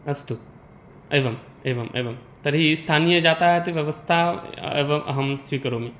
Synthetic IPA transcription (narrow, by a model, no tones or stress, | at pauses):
ɐst̪u | eːʋɐm | eːʋɐmʔḛːʋɐmt̪ɐɾɦist̪ʰaːnijəd͡ʒaːt̪aɦet̪iʋjɐʋɐst̪ʰaḛːʋɐmʔɐ̰ɦɐmsʋiːkɐɾomẽ